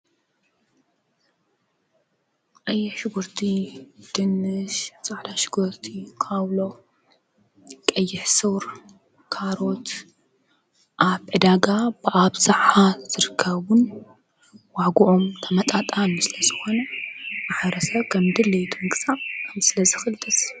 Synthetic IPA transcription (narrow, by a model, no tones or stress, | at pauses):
kʼɐjːɛʃɪɡuɾt̪ʰid̪̥ɨnɨʃt͡sʼaʕd̪aʃɪɡuɾt̪ʰikʰaβlo̞ | kʼɐjːɪħsɨwɾ | kʰaɾo̞t̪ | ʔaβʕɨd̪aɡabɨʔaβsɨʕaz̥ɨɾɨkʰːɐβʊn | waɡuʔomt̪ʰɐmɐt̪ʼat̪ʼanusɨlɐzɨxo̞nɐmaħɾɐsɐβkʰɐmd̪ɨlejt̪ʰumɨkʼɨsʼakʰɐmsɨlɐzɨxɨlt̪ʼɨs